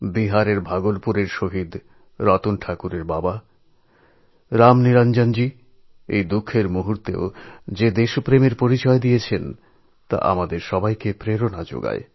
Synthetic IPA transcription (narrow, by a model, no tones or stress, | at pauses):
biɦaɾeɾbʱaɡolpuɾeɾʃoɦid̪ | ɾɔt̪unʈʰakuɾeɾbaba | ɾamniɾand͡ʑand͡ʑi | ḛjd̪ukʰːeɾmuɦuɾt̪ḛo̰d͡ʑed̪eʃpɾemeɾpoɾit͡ɕɔed̪ijet͡ɕʰen | t̪a̰ʔa̰mad̪eɾʃɔbajkepɾeɾonad͡ʑo̰ɡa̰e